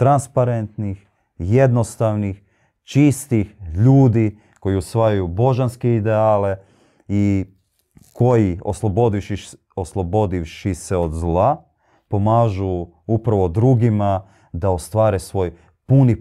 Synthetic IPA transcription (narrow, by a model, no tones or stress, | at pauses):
t̪ɾanspaɾent̪nix | je̞d̪no̞st̪aʋnix | t͡ʃist̪ixʎuːd̪i | ko̞jiusʋajajubo̞ʒanskeid̪eaːle | i | ko̞jio̰slˠobo̞d̪iʃi | oslˠobo̞d̪iʋʃiseod̪zlˠa | po̞maːʒu | upɾaʋo̞d̪ɾuɡima | d̪ao̞st̪ʋaːɾesʋo̞j | puni